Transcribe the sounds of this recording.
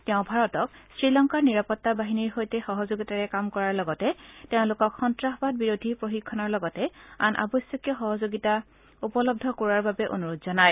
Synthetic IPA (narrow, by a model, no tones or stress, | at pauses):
tɛʊ̃bʱaɹɔtɔk̚sɹilɔŋkaɹniɹapɔtːabaɦiniɹxojtɛxɔɦɔzoɡitaɹɛkamkɔɹaɹlɔɡɔtɛteʊ̃lʊkɔkxɔntɹaxɔbad̚biɹodʱipɹoxikʰːɔnɔɹlɔɡɔtɛa̰nʔa̰bɔsjɔkjɔxɔɦɔzoɡita | upɔlɔb̚dʱɔkoɹaɹbabɛʔo̰nuɹotzɔnaj